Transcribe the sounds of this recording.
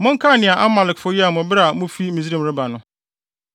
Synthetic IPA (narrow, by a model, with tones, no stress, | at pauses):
mʊ̃˦ŋ̩˦kʰa˦˨nɪ̃˨a˨ʔa˦ma˨lɪ˨kfʊ˦ji˦a˨mʊ̃˨bɪ˦ɾa˨mʊ̃˦fi˦mi˨zɾĩ˦˨m˨ɾɪ˦ba˨nʊ̃˦